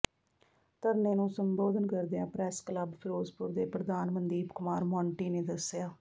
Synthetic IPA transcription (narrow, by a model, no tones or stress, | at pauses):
t̪əɾneːnũːsəmboːd̪ənkəɾd̪ejãːpɾɛːskləbpʰɪɾoːzpʊɾd̪eːpɾəd̪aːnmənd̪iːbkʊmaːɾmɔːɳʈiːneːd̪əsjaː